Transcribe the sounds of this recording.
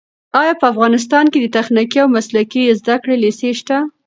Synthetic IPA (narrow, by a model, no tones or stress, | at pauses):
ɑjɑpəafɣɑnɪs̬t̪ɑnked̪ət̪axnikiawmaslakizd̪akɽeliseʃt̪a